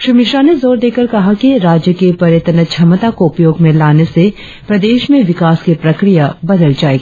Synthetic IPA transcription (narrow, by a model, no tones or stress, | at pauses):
ʃɾiːmɪʃɾaːnezoːɾd̪eːkəɾkɐɦakiɾaːd͡ʒjəkepɐɾjət̪nət͡ʃʰɐmət̪akoʊpjoːɡmẽlaːnese | pɾɐd̪eːʃmẽʋɪkaːskipɾɐkɾijabɐd̪əld͡ʒaːeːɡa